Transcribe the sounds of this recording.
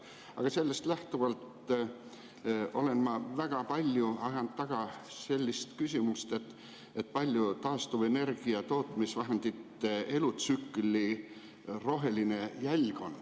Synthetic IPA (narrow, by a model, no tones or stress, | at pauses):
ɑ̰ɡ̥ɑse̞lːe̞st̪læht̪uvɑlt̪ | o̞le̞nmɑvæɡ̥ɑpɑlʲjuɑjɑnd̪̥ɑɡ̥ɑse̞lʲːist̪kysʲimust̪e̞t̪ | et̪̚ːˑpɑlʲjut̪ɑːst̪uve̞ne̞rɡ̥iɑt̪o̞ːt̪ˑmisvɑɦend̪̥it̪e̞lut̪sykːˑli | ro̞ɦe̞line̞jælʲɡ̥o̞n